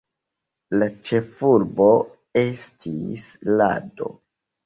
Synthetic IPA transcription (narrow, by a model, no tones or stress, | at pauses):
lat͡ʃe̞fuɾbo̞ | e̞stʰisla̰do̞̰